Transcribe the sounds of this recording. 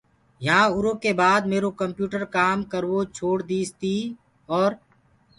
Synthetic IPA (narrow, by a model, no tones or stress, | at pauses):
jəɦãːʊɾõːkeːbaːd̪meːɾoːkəmpjuːʈəɾkaːmkəɾʋoːt͡ʃʰoːɽd̪iːst̪iː | ɔːɾ